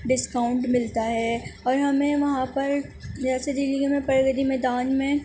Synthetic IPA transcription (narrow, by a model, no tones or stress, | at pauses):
ɖɪskaːʊ̃ɳʈmɪlt̪aɦɛːɔːɾɦɐmẽʋɐɦãpɐɾd͡ʒɛːsed̪ɪliɡemẽpɐɾɡəd̪imɛːd̪aːnmẽ